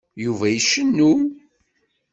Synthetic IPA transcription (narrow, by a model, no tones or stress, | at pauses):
juvæjəʃːənːum